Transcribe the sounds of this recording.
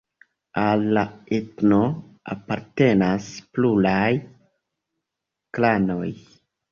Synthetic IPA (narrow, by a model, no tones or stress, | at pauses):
alːaetno̞ | a̰paɾte̞nasplulaj | klano̞j